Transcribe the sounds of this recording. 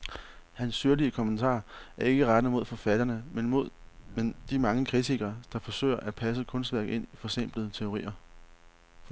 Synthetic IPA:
hænsːyɐliəkʰɒ̽mənt͡sʰɑ̰̈ːæɐe̝ɡ̥əʁad̥nəmo̝ð̰ˠfɒ̽fæd̥ɐnəmenmo̝ð̞̰ˠmend̥imɑ̈ŋəkʰʁit͡sʰiɡ̥ɐd̥ɑ̈fɒ̽sø̰ɪɐʔæd̥̚pʰæs̬əkʰɔ̽nsd̥ʋæɐ̰ɡ̥e̝n̰ifɒ̽sem̰b̥lð̩ˠət͡sʰe̝o̝ʁḭːɐ

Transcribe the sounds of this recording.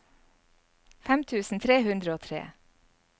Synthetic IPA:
fæmt̪ʰʉːsn̩t̪ʰɾeːhʉnd̪ɾəoːt̪ʰɾḛː

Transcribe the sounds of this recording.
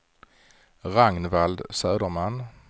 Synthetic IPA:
ɾaŋnvald̪sœːd̪əɾmanː

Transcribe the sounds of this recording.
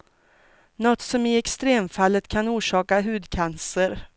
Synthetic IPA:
nɔt̪ːsɔmɪɛkst̪ɾeːmfalːət̪kʰanuːʂɑːkaɦʉ̟ːd̪kʰansəɾ

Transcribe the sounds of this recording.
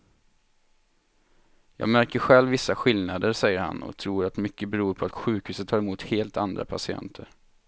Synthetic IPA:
jɑ̰ːɡmæɾkəɾɧɛlvːɪsːaɧɪlnad̪əɾsɛjːəɾha̰nɔ̰t̪ʰɾuːɾat̪mʏkːəbɛɾuːɾpʰɔat̪ɧʉ̟ːkhʉsət̪ʰːɑːɾɛmuːt̪heːlt̪and̪ɾa̰pʰasɪɛ̰nt̪ʰəɾ

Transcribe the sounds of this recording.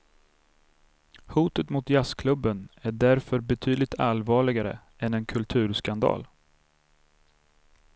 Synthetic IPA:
huːt̪ət̪mʊt̪jaskʰlɵbːənæɖæɾfœɾbɛt̪ʰyːd̪lɪkt̪ʰalvɑːɭɪɡaɾə̰ | ɛnɛnkʰɵlt̪ʰʉ̟ːɾskand̪ɑ̰ːl

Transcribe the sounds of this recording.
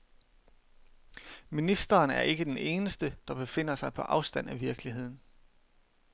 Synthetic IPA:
minisd̥ɐːnæɐe̝ɡ̥əd̥ene̝ːnəsd̥əd̥ɑ̈b̥e̝fe̝n̰ɐsɑ̈ɪpʰɒ̽ʔɑ̈ʊsd̥æn̰æʋiɐɡ̥liɦe̝ð̰ˠn̩

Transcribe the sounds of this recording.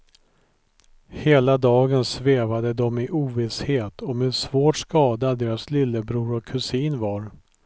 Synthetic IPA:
heːlad̪ɑːɡənsveːvad̪əd̪ɔmɪʔuːvɪsheːt̪ʰɔmeɛsvoːʈʂkɑːd̪ad̪eːɾaslɪlːəbɾuːɾɔkʰɵsiːnvaɾ

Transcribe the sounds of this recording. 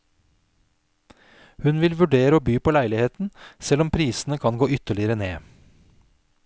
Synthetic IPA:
hʉnʋɪlʋʉɖeːɾəoːbyːpʰoːlæɪlɪheːt̪n̩sɛlɔmpʰɾiːsn̩əkʰɑnɡoːʏt̪əɭɪəɾəneː

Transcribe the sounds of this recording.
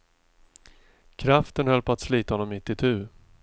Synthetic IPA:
kʰɾaft̪ənhɛlpʰɔat̪sliːt̪ahɔnːɔmːɪt̪ːɪt̪ʰʉ̟ː

